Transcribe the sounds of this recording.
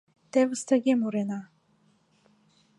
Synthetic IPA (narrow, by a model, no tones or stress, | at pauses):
t̪ɛvɨst̪ʰaɡʲɛmuɾɛna